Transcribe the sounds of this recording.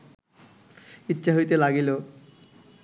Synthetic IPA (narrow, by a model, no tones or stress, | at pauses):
itːɕʰaɦojt̪elaɡilo